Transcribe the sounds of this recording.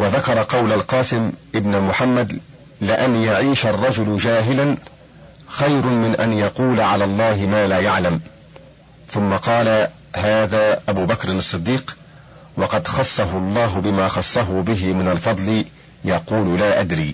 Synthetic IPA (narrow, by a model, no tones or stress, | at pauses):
waðakɑɾˤɑqɑwlalqɑːsɪmʔɪbnmʊħamːad̪ | lɪʔanjaʕiːʃarˤːɑd͡ʒʊlʊd͡ʒaːɦɪlan | xɑjɾʊmɪnʔanjɑquːlaʕalaːlˤːɑːɦɪmaːlaːjaʕlam | θʊmːaqɑːla | haːðaːʔabuːbakɾɪnɑsˤːɨd̪ːiːq | wɑqɑd̪xɑsˤːɑɦʊlˤːɑːɦʊbɪmaːxɑsˤːɑɦʊbɪɦɪmɪnalfɑd̪ˤlɪ | jɑquːlʊlaːʔad̪ɾiː